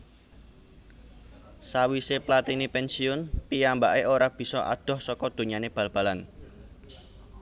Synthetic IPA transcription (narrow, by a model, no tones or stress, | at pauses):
sawiseplat̪inipɛnsiʊnpijambaʔeʔoɾab̥i̤sɔʔa̰d̪̥ɔ̤hsɔkɔd̪̥o̤ɲaneb̥ä̤lb̥alan